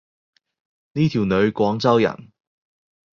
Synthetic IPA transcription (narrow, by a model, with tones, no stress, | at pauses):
niː˥t̪ʰi˨˩wnɵ˨˧ɥkʷɔː˨˥ŋt͡sɐ˥wjɐ̰˨˩n